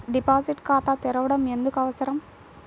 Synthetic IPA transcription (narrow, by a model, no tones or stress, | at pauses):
ɖipaːsiʈkaːt̪at̪ɛɾɐʋɐɽɐmend̪ukɐʋɐsɐɾɐm